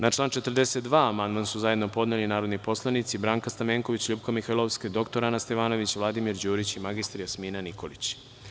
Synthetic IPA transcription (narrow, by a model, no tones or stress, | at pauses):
nat͡ʃlˠaːnt͡ʃe̞t̪rd̪eset̪d̪ʋaːamand̪mansuzaje̞d̪no̞po̞d̪nelinaːɾo̞d̪nipo̞slˠanit̪sibɾaːŋkast̪ameːŋko̞ʋit͡ɕʎubkamixajlˠoʋsked̪o̞kt̪oɾanast̪eʋaːno̞ʋit͡ɕʋlˠad̪imiɾd͡ʑuːɾit͡ɕimaɡist̪ɾjasmiːnanikʰo̞lit͡ɕ